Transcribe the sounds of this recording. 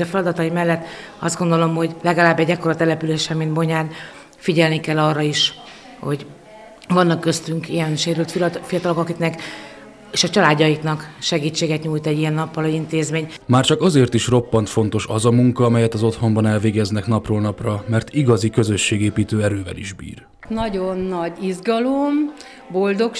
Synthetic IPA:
ɛfɛlɒd̪ɒt̪ɒjimɛlːɛt̪ːɒzd̪ɡo̞nd̪o̞lo̞mho̞ɟlɛɡɒlaːbːɛɟːɛkoɾɒt̪ɛlɛpyleːʃɛmind̪bo̞ɲaːn | fiɟɛlnikɛlːɒrːɒiʃ | ho̞̰ɟ | vɒnːɒkːø̞st̪yŋkijɛnʃeːɾylt̪fifijɒt̪ɒlo̞kɒkiknɛk | eːʃɒt͡ʃɒlaːdːɒjiknɒkʃɛɡiːt͡ʃːeːɡɛt̪ɲuːjt̪ɛɟːijɛnːɒpːɒlɒint̪eːzmeːɲmaːrt͡ʃɒkɒzeːrt̪iʃro̞pːɒnt̪fo̞nt̪o̞ʃɒzɒmuŋkɒɒmɛjɛt̪ɒzo̞t̪ho̞mbɒnɛlveːɡɛznɛkn̪ɒproːlnɒprɒmɛrt̪iɡɒzikø̞zø̞ʃːeːɡeːpiːt̪øːɛɾøːvɛ̰lḭʒbḭːr | nɒɟonːɒɟizɡɒlom | bold̪ok

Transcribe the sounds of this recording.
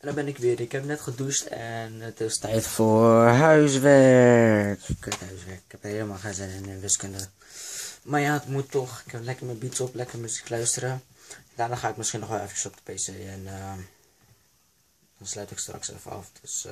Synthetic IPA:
ɛndɔbɛnɪkʋɪədəɪkɦɛpnɛtχədustɛnətɪstɛjtfoːɦœɥsʋɛɹkkəthœɥsʋɛɹkɪ̥kɛpɦeləmalˠχanzɪnɪnəʋɪskəndə | maːɹjaətmutːɔχɪkɛlɛkərmənbitɔplɛkərmyziklœɥstərəndaːnaːχaːɪkmɪsχinːɔχʋɛlˠɛfət͡ʃə̥sɔp̚də̥peːseːɛnə | d̥ɔnslœɥtɪkstrɑ̰ksḛfəɑ̰fd̥øs

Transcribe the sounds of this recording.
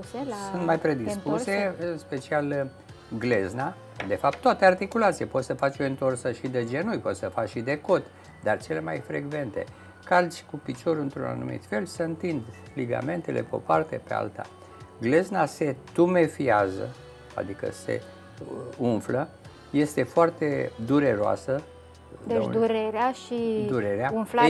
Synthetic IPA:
sunt̪majpɾe̞d̪isspuse̞ɨnspe̞t͡ʃial | ɡlezna | d̪e̞fap̚t̪ːoat̪eart̪ikulat̪sijepo̞t̪səfat͡ʃo̞int̪o̞rsəʃid̪ed͡ʒe̞nujpo̞t̪səfat͡ʃʃid̪e̞ko̞t̪ | d̪art͡ʃe̞le̞majfɾe̞̰ɡve̞nt̪e̞̰ | karzʲkupit͡ʃo̞ɾɨnt̪ɾṵna̰nṵmḭt̪fe̞lsəɨnt̪ind̪ | liɡa̰me̞nt̪elʔe̞̰peo̞̰part̪e̞pe̞a̰lt̪a̰ | ɡle̞znase̞t̪ume̞fiazə̰ | a̰d̪ikə̰se̞̰ | unflə | je̞st̪e̞foart̪e̞d̪uɾe̞ɾoa̰sə | d̪ed̪uɾeɾeaʃid̪uɾeɾeaunfla

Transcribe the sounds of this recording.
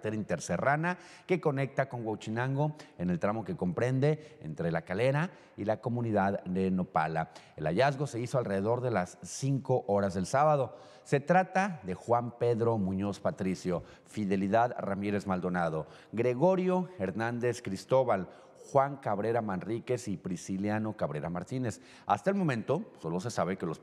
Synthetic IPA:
t̪eɾint̪eɾserana | ke̞ko̞ne̞k̚t̪ako̞ŋɡwawt͡ʃinãŋɡo̞ene̞lt̪ɾamo̞ke̞ko̞mpɾe̞nd̪e̞ḛnt̪ɾe̞lakale̞ɾa | ilako̞mũniðaðd̪e̞no̞pa̰la | e̞laʝazɣo̞se̞isoalre̞ðe̞ðo̞ɾðe̞lasːiŋko̞ʔo̞ɾazðe̞lsaβað̞o̞ | se̞t̪ɾat̪aðe̞xwampe̞ðɾo̞mũɲo̞spat̪ɾisjo̞ | fiðe̞liðaðramiɾe̞zmald̪o̞nað̞o̞ | ɡɾe̞ɣo̞ɾjo̞e̞ɾnãnd̪e̞skɾist̪o̞βal | xwaŋkaβɾe̞ɾamanrike̞sipɾisiljano̞kaβɾe̞ɾamaɾt̪ine̞s | a̰st̪aelmo̞mẽ̞nt̪o̞so̞lo̞s̬e̞saβe̞kelo̞s

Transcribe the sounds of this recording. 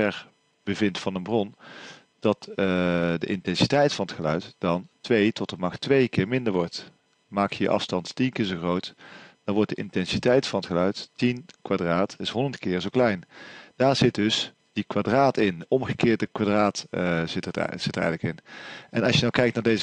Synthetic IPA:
ɛɹ | b̥əvɪntfɑnənbrɔn | d̥ɑt | də̰ʔɪntɛnsitɛjtfɑnətχəlœ̰ɥtd̥ɑntʋejtɔtəmɑχtʋejkɪːɹmɪndəɹʋɔɹt | maːkjəjə̰ʔɑ̰fstɑnttinkɪːɹzoχrowtd̥ɑnʋɔɹt̚dəʔɪntɛnsitɛjtfɑnətχəlœɥttinkʋadraːtʰɪsɦɔndəntkɪːɹzowklɛjnd̥aːɹz̥ɪt̚dɵs | d̥ikʋadraːtɪndəʔɔmχəkɪːɹdəkʋadraːtɪtə̰z̥ɪtəɹɛ̰jɣələkɪnʔɛnɑsʃjənawkɛjk̚tnaːɹdejz

